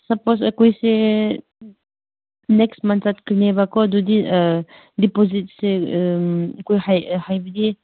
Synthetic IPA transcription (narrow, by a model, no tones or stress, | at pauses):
saposəkujse | nɛksmansat̪̚kinebakɔd̪ud̪i | dipɔzit̚se | kujhajhajbid̪i